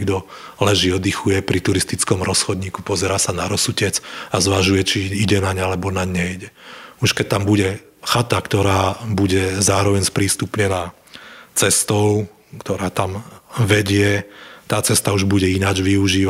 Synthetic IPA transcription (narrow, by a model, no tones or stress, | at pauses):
ɡd̪ɔ | lɛʒiːɔd̪ixujɛpɾit̪uɾist̪it͡skɔmɾɔsxɔd̪ɲiːkupɔzɛɾaːsanaɾɔsucɛt͡sazʋaʒujɛt͡ʃiiɟɛnaɲalɛbɔnaɲɛjɟɛuʃkɛc̚t̪ambuɟɛ | xat̪akt̪ɔɾaːbuɟɛzaːɾɔʋɛɲspɾiːst̪upɲɛnaː | t͡sɛst̪ɔʊ | kt̪ɔɾaːt̪amʋɛɟɪɛt̪aːt͡sɛst̪auʒbuɟɛinaːd͡ʒʋiuʒiːʋa